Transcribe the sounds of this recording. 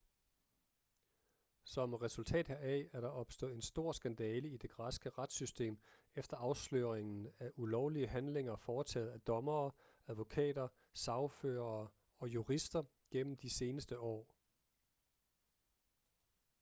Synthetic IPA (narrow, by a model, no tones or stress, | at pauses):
sɒ̽mʁɛsult͡sʰɛ̰ːd̥heɐææɐɾ̥ɑ̈ʔɒ̽b̥sd̥ɔ̰ːe̝nsd̥o̝ɐ̰sɡ̥ænd̥ɛːləid̥e̝ɡ̥ʁɑsɡ̥əʁɑd̥sysd̥e̝̰ːm | efd̥ɐʔɑ̈ʊslø̰ːʁeŋn̩æʔulɒʊliəɦænle̝ŋɐfɒːt͡sʰɛ̰ːð̞̩ˠæd̥ɒ̽mɐː | æð̞ˠʋo̝kʰɛ̰ːd̥ɐ | sɑ̈ʊføːɐː | ɒ̽juʁisd̥ɐ | ɡ̥en̰m̩d̥ise̝ːnəsd̥əɒ̰ː